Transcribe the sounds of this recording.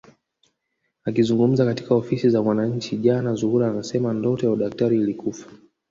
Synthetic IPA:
akizuŋɡum̩zakati̥kaɔfisizamwanaɲ̩t͡ʃiʄanazuhuɾaːnasɛmandɔtɔjauɗak̚taɾiːlikufḁ

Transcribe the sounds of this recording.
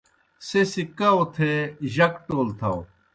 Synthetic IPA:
sesikaot̪ʰeʑɐkʈoːlt̪ʰɐw

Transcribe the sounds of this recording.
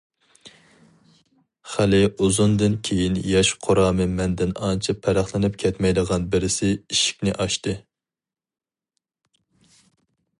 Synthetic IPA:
χælɪuzund̪ɨnkʲʰejinjɑʃqʰoɾɑːmɨmɛnd̪ɪnɑ̰nt͡ʃʰipʰːæɾæχlˠɪnɪpkʲʰɛt̪mɛjd̪əʁɑnbɪɾɪsɪiʃi̥kʲnɪʔɑʃt̪ɨ

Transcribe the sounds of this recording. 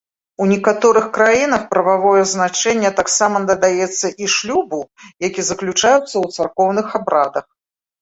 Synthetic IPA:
unʲɛkat̪ɔɾɨxkɾajin̪ɐxpɾɐvavɔjɛznat͡ʂɛnʲːɛt̪aksamɐnɐd̪ajɛt̪sːɐʔiʂlʲubujakʲizɐklʲut͡ʂajut̪sːɐwt̪sarkɔwnɨxabɾad̪ɐx

